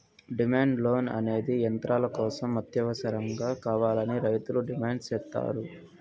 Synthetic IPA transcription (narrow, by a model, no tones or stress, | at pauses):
ɖimaːɳɖloːnɐ̰ne̞ːd̪ijɐnt̪ɾʔaːlɐkɔːsɐmːɐt̪jɐʋɐsɐɾɐŋɡaːkaːʋaːlɐniɾɐjt̪uluɖimaːɳɖst͡ʃɛːt̪ːa̰ːɾu